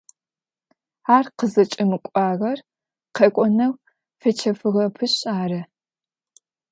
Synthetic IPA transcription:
aːrqəzɐt͡ʃʼɪmɨkʷʼɑːʁɐr | qekʷʼɔnɐw | fɐt͡ʃʰɐfɨʁɐpʰɨɕʼaːɾɐ

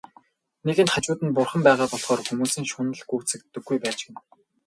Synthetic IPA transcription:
neɣɘ̆t̪χat͡ɕʊːt̪ɘ̆npʊrχə̆mpæːʁaːpɔɮχɔːrxumuːsĭnʃʊnə̆ɮɡu̥ːt͡sɘ̆k̚t̪ːɘ̆ɡ̥ːujpæːt͡ɕɡɘ̆n

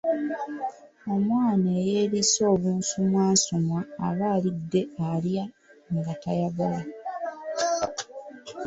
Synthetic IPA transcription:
omwaːneːje̞ːliso̞ːβuːnsumwaːso̞mwaːβaːlidːe̞alja | ŋɡatajaɡala

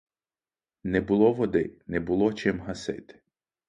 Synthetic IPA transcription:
nɛbʊlˠɔʋɔd̪ɪnɛbʊlˠɔt͡ʃɪmɦɐsɪ̰t̪ɪ̥

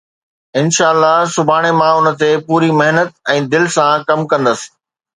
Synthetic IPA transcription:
ɪnʃaːəlːasʊbʱaːɽ̃emãʊnə̆t̪epuːɾimɐɦnət̪̚ɛ̃ːd̪ɪlsãkɐmkɐ̃nd̪əsɪ̥̆

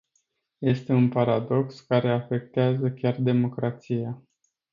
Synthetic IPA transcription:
je̞st̪e̞unpaɾad̪o̞kskaɾe̞afe̞k̚t̪eazəkʲard̪e̞mo̞kɾat̪sija

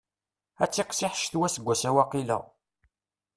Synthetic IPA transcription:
æt͡sːɪqsɪħʃθwæsəɡʷːæsæwɑqilə̰

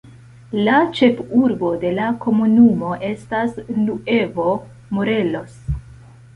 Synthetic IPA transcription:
lat͡ʃe̞fuɾbo̞de̞lako̞munumo̞ʔe̞stasnue̞vo̞ | moɾe̞lo̞s

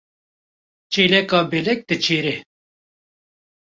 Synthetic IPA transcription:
t͡ʃeːlɛkɑːbeːlɛk̚t̪ɨt͡ʃʰeːɾe

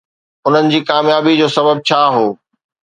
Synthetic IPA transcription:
ʊn̤ənɪ̆d͡ʑiːkaːmjaːbid͡ʑoːsɐbəb̚t͡ɕʰaːɦoː

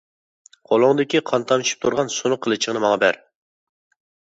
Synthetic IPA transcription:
qʰolˠʊŋd̪ɪkʲiqʰɑnt̪ʰɑmʃʰi̥p̚t̪ʰuɾʁɑnsonʊqʰːəlˠɨt͡ʃʰəʁnɨmɑŋɑbæɾ

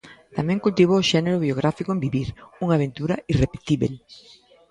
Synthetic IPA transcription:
t̪amɛ̃ŋkult̪iβ̞oʊʃɛneɾʊβioɣ̞ɾafikoʊembiβiɾuŋaβ̞ent̪uɾɐirepet̪iβḛl

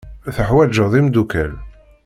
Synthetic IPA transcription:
θəħwæd͡ʒəðˤimd̪ukæl

